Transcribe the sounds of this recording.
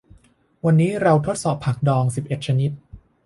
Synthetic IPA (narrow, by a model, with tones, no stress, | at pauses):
wa˧nːiː˦˥ɾa˧wt̪ʰo˦˥t̪̚sɔː˨˩pʰːa˨˩k̚dɔː˧ŋsi˨˩p̚ʔe˨˩t̪̚t͡ɕʰa˧ni˦˥t̪̚